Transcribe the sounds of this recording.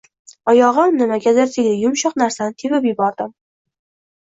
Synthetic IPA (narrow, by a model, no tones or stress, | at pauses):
ɒjɒʁɨmnɪmaɡʲad̪aɾt̪ʰeɡʲlɪjʊmʃɑqnaɾsanɪt̪ʰebɪpjɪbɒɾd̪ɪm